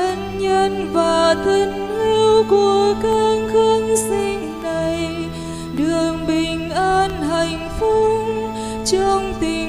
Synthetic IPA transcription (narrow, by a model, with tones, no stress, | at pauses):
ə˧nɲə˧nvaː˨˩t̪ʰə˧ŋ | li˧wku˧˩əəkaː˧ŋxə˧əŋsi˧n | na˨˩j | ɗɨ˨˩əŋɓï˨˩ŋ̟ʔaː˧nɦa˨˩jŋ̟fu˧˥ | t͡ɕɔ˧ŋ͡mt̪i˨˩